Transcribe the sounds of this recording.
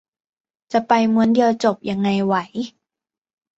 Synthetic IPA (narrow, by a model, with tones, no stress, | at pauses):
t͡ɕa˨˩pa˧jmu˩˦əndi˧əwt͡ɕo˨˩p̚ja˧ŋːa˧jwa˦j